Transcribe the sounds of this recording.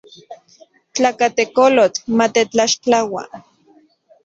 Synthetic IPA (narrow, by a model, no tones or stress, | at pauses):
t͡ɬakat̪ekolotmat̪et͡ɬaʃt͡ɬawa̰